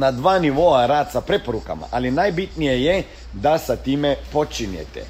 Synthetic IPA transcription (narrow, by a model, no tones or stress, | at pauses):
nad̪ʋaːniʋoaɾaːt̪sapɾepo̞ɾuka̰ma̰ʔalinajbit̪nijeje | d̪asat̪iːmepo̞t͡ʃinjḛt̪ḛ